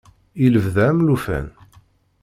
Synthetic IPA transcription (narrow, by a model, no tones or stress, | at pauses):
iləvðæmlufæ̰n